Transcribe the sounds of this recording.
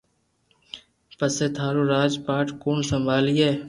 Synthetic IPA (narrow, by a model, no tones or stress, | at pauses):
pəseːt̪ʰaːɾuːɾaːd͡ʒpaːʈkuːnsəmbʱaːliːɦeː